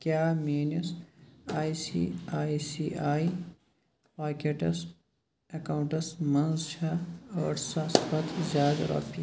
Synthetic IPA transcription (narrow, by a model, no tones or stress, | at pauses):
kjaːmeːnɐsaːisḭːaːisiːʔaːi | paːkeʈɐs | ɐkaːwuɳʈɐsmɐnzʃaɐːɾsaspɐt̪zʲjaːd̪ɾo̰ːpi